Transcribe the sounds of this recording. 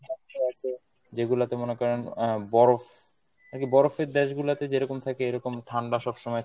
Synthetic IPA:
akeat͡ʃʰe | d͡ʑeɡulat̪emonekɔɾenbɔɾof | aɾkibɔɾofeɾd̪ɛʃɡulat̪ed͡ʑeɾɔkomt̪ʰakeejɾɔkomʈʰaɳɖaʃɔbʃɔmɔet̪ʰ

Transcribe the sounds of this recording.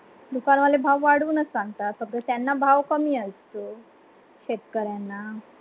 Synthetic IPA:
d̪ukanməd̪lebʱaʋʋaɽ̤uːnət͡ssaŋɡt̪at̪̚məɡlət̪janːabʱaʋkəmiːəst̪o | ɕekkəɾjanːa

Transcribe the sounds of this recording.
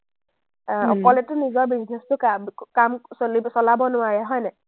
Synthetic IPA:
ɔ̰kɔlɛtʊnizɔɹbiznɛstʊkakamsolibsɔlabɔnʊaɹɛɦɔjnɛ

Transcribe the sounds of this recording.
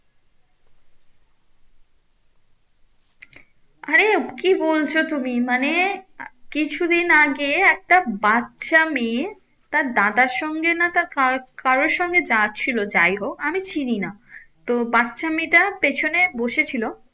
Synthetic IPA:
aɾekibolt͡ɕʰot̪umimane | kit͡ɕʰud̪inaɡeɛk̚ʈabatːɕami | t̪aɾd̪ad̪aɾʃɔŋɡenat̪akakaɾoɾʃɔŋɡed͡ʑat͡ɕʰilod͡ʑajɦokamit͡ɕʰininat̪obatːɕamiʈapet͡ɕʰoneboʃet͡ɕʰilo

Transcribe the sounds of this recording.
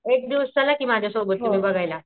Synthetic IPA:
ek̚d̪iʋəst͡ɕəlakiːmad͡ʑʱjasobət̪ːumĩbəɡʱajla

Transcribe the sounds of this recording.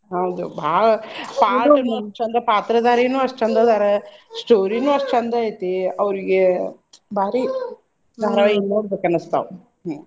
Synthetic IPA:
ɐʋd̪ubʱaːpaːʈnut͡ʃɐnd̪ɐpaːt̪ɾɐd̪aːɾenũɐʂt͡ʃɐnd̪ɐd̪aːɾɐsʈoːɾinũɐʂʈɐnd̪ajt̪ːeɐʋɐɾiɡe | baːɾi | d̪aɾɐʋɐinːoːɾd̪ɐkːɐnɐst̪a̰ːʋ

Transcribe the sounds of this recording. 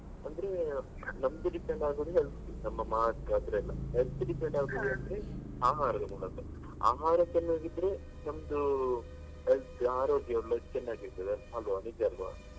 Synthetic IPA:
ɐnd̪ɐɾe | nɐmːɐd̪uɖipeɳɖaːɡoːd̪eɦelt̪inɐmːɐmaːt̪kaːd̪ɐɾeɐlːɐɦelt̪ɖipeɳɖaːɡoːd̪eɐnd̪ɐɾe | aːɦaːɾɐd̪ɐmuːɳɐkːɐ | a̰ːɦaːɾɐt͡ʃɐnːaːɡid̪ɾe̞ | nɐmɐd̪u | ɦelt̪aːɾoːɡjɐjoɭːɐɡt͡ʃɛnːaːɡiɾt̪ɐd̪eɦɐlʋoɐnid͡ʒɐlʋɐ̰

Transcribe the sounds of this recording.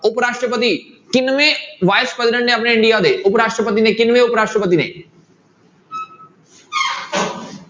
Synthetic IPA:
ʊpɾaːʂʈɾəpət̪i | kɪnmẽʋaːɪspɾɛzɪɖə̃ɳʈnẽɐp̬neɪ̃ɳɖijaːd̪eːʊpɾaːʂʈɾəpət̪inekɪnʋẽʊpɾaːʂʈɾəpət̪̬inḛː

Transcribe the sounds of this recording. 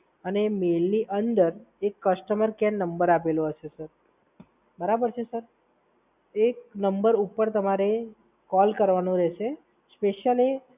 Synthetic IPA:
ənemelniʔənd̪əɾekːəsʈəməɾkɛnnəmbəɾap̬eloɦəʃesəɾ | bəɾabəɾt͡ʃʰesəɾ | eknəmbəɾupəɾt̪əmaɾe | kɔlkəɾʋanũɾɛʃe | speʃjali

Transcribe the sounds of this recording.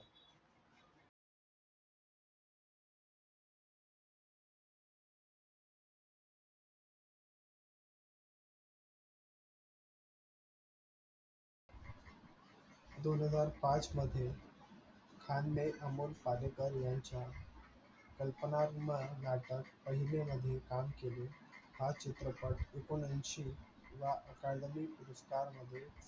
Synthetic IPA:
d̪onɦəd͡zaɾpãt͡sməd̪ʱːje | kʰanmeʔəmolpalekəɾjãɲt͡ɕja | kəlpənaɾumanaʈəkpəɦileməd̪ʱːjekamkeli | hat͡ɕɪt̪ɾəpəɽekunənʃi | ʋaʔəkaɖ̪əmipuɾəskaɾməd̪ʱːje

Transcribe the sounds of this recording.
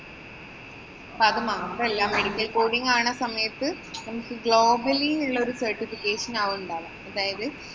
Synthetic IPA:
pɐðɐmaːɣɐmbɐɐlːaːmeɽikʲːɐlkoːɽiŋɡaːɳɐsɐmɐjɐt̪ːɨ | nɐmɐkːɨɡɭoːbɐlinuɭːɐoɾusɐrʈifikːeːʂɐnaːʋuɳɖaːlɐɐðaːjɐðɨ

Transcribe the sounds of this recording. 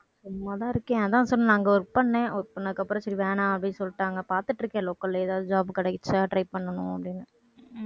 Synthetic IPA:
sʊmːɐt̪ãːɪɾɯkːẽːɐðãːsɔlːɯnaːŋɡɔɾɯpɐɳːẽːɔɾɯpɐɳːɐðɯkːɐpːɯɾɐ̃sɐɾiʋeːɳãːɐpɐɽɪnːsɔlːʈːaːŋɡɐpaːɾt̪ɯʈːɪɾɯkːẽloːkːɐlːeːðaːʋðɯd͡ʒaːbɯkɪɽɛkːɪt͡ʃːaʈɾɐɪppɐɳːɐnʊ̃ɐpːɐɽɪnːɯ

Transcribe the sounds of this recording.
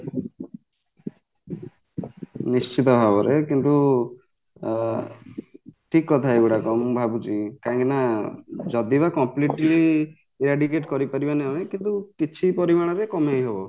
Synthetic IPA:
nist͡ʃit̪ɔbʱabɔɾʔekint̪u | ʈʰikːɔt̪ʰaeɡuʈakɔmbʱabut͡ʃʰikaɦĩŋkinad͡ʒɔd̪ibakɔmpliʈli | iɾaɖik̬eʈkɔɾipaɾibaneamekint̪ukit͡ʃʰipɔɾimaɽ̃ɔɾekɔmejɦebɔ

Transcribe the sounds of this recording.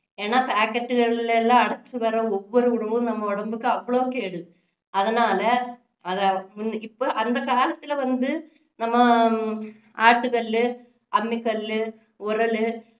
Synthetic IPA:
enːapaːkːɐʈːɨɣɐɭilelːaːɐɽɐt͡ɕːɨpɐrɐoʋːoɾuuɽɐmumnɐmːɐoɽɐmbɯkːɨɐʋːɐɭookːeːɽu | ɐðinaːlɐ | ɐðamunipːoʔɐnd̪ɐkaːlɐt̪ːileʋɐnd̪ɨ | nɐmːɐ | aːʈːukɐlilɨ | ɐmːikːɐllɨ | urɐlɨ

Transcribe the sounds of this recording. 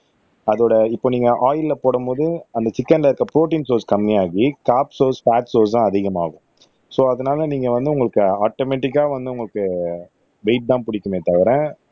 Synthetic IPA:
ɐðoːɽɐɪpːoːniːŋɡɐʔaːjɪlɪlɐpoːɽɐmboːðɯɐnd̪ɐt͡ʃɪkːɐnlɐɪɾɯkːɐpɾoːʈ̬iːnsoːskɐmːiaːɣikaːpsoːsfaːʈsoːs̬ãːɐðɪɣɐma̰ːɣɯ̃ | soːɐðɐnaːlɐniːŋɡɐʋɐnd̪ɯʊŋɡɐɭɯkːɯaːʈoːmɛːʈɪkːaːʋɐnd̪ɯʊŋɡɐɭɯkːɯ | ʋɛɪʈ̚d̪ãːpʊɽɪkːɯmeːt̪ɐʋɐɾẽː

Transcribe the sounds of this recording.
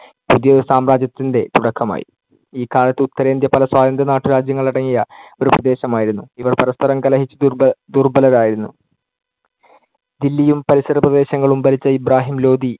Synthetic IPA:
puðijɐoɾusaːmɾaːd͡ʑjɐt̪ːinde̞t̪uɽɐkʰːɐma̰ːjḭ | iːkaːlɐt̪ːɨut̪ːɐɾe̞ːnd̪jɐpɐlɐswaːd̪ɐnd̪ʱɐnaːʈːuɾaːd͡ʑjɐŋːɐɭiɽɐŋːijɐoɾuprɐd̪e̞ːɕɐmaːjiɾunːuiʋɐrpɐɾɐst̪ʰɐɾɐmkɐlɐɦit͡ɕːɨd̪urbɐlɐɾaːjiɾunːu | d̪ilːijumpɐɾisɐɾɐprɐd̪eːɕɐŋːɐɭumbɐlit͡ɕːɐibraːɦimlo̞ːd̪i

